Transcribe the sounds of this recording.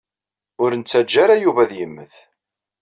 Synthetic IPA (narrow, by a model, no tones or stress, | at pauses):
ʊɾənt͡sːæd͡ʒːaɾajuvæðjəmːəθ